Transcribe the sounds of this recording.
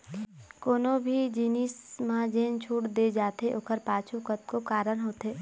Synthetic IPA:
koːnõbʱid͡ʒiːniːsmad͡ʒeːnt͡ʃʰuːʈd̪ed͡ʒaːt̪eʔoːkəɾpaːt͡ʃʰukət̪̚kokaːɾənɦoːt̪eː

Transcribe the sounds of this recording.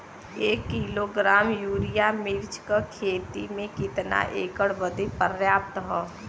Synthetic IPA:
eːkːiːloɡɾaːmjuːɾijamɪɾt͡ʃkəkʰeːt̪imẽkɪt̪na̰ʔḛːkəɽbəd̪epəɾjaːp̚t̪ɦɛː

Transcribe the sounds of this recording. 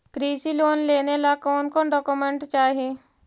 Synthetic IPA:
kɾiːsiloːnleːnelakɔːnkõːnɖɔːkumẽɳʈt͡ʃaːɦeː

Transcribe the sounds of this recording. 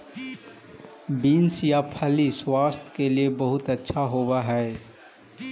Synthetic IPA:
biːnsjapʰɐliswaːst̪ʰkeliebɐɦʊt̪ɐtːʃʰaɦowaɦɛː

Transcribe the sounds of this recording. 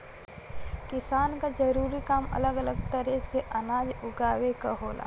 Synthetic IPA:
kɪsaːnkad͡ʒəɾuːɾikaːmɐ̰ləɡələɡt̪əɾɛseʔɐnaːd͡ʒʊɡaːwekaɦoːlʔa̰ː

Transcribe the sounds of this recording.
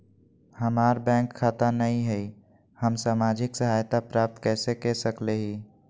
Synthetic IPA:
həmaɾbɛ̃ŋkʰːat̪anəĩɦɛi | həmsaːmad͡ʒɪksəɦajt̪apɾap̚t̪kɛːsekɛsəkleɦi

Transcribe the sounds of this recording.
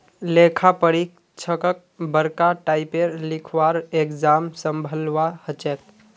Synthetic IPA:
leːkʰapəɾik | t͡ʃʰəkək̚bəɾkaʈaːɪpeɾlɪkʰʋaːɾekd͡ʒaːmsəmbʱəlʋahət͡ʃɛːt̪̚

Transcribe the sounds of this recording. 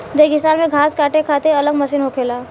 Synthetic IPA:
d̪eɡɪsaːnmẽɡʱaːskaːʈekʰaːt̪eɐləɡmɐʃiːnɦokʰeːlaː

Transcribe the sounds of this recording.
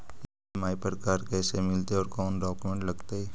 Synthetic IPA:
ɪ | maːipəɾkaːɾkɛːsemɪlt̪eɔːɾkɔːnɖɔːkumẽɳʈlɐɡt̪aɦɛː

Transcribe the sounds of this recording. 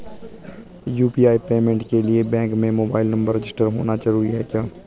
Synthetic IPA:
juːpiːaːipeːmẽɳʈkeliebɛ̃ːŋkmẽmoːbaːɪlnɐ̃mbəɾːɪd͡ʒɪsʈəɾɦoːnad͡ʒɐɾuːɾiɦɛkjaː

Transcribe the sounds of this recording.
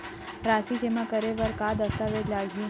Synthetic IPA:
ɾasid͡ʒemãkəɾeʋəɾkad̪əst̪aʋed͡ʒlaɡʱie

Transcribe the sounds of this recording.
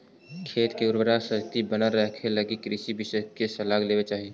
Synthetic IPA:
kʰeːt̪keʊɾwəɾasəst̪ibənəɾːəɦkʰeləɡikɾɪʃibɪsəkesəlaːɡleːʋet͡ʃaːɦieː

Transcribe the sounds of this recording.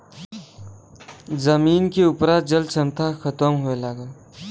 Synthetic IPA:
zəmiːnkeʊpɾad͡ʒəlt͡ʃʰəmt̪ʰaxʰət̪əmɦoelaːɡə

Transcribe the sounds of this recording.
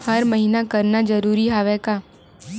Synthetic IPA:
həɾməɦiːnakəɾnad͡ʒəɾuːɾiɦaːʋɛkaː

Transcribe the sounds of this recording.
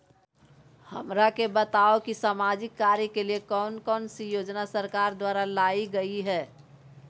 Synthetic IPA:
həmɾakebət̪aokisaːmad͡ʒɪkːaːɾjəkeliekɔːnkɔːnsijoːd͡ʒnasəɾkaːɾd̪waːɾalaːiɡəiɦɛː

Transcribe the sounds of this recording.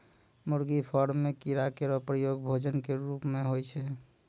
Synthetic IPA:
muɾɡipʰɔɾmekiɾakeɾɔpɾəjoɡbʱod͡ʒənkeɾupmeɦojt͡ʃʰɛ

